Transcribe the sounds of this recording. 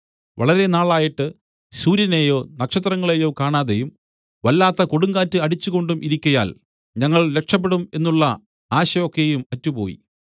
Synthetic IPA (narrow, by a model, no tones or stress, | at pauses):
ʋɐɭɐɾe̞naːɭaːjiʈːɨ | suːɾjɐnejo̞ːnɐkʂɐt̪̬rɐŋːɐɭejo̞ːkaːɳaːðejum | ʋɐlːaːt̪ːɐko̞ɽuŋɡaːtːɨɐɽit͡ɕːuɣo̞ɳɖumʔiɾikʲːɐja̰ːl | ɲɐŋːɐɭle̞kʂɐp̬ːe̞ɽume̞nːuɭːɐ | aːɕɐo̞kːe̞jumɐtːupo̞̰ːjḭ